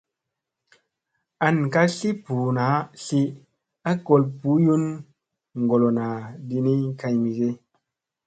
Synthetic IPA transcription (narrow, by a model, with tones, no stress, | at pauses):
a˨nka˦ɬi˦pu˨na˨˦ɬi˦ | a˦ko˧lpu˨˦ju˦n | ŋ˨ɡo˨lo˨na˨di˧ni˦ka˧jmi˨ɡe˦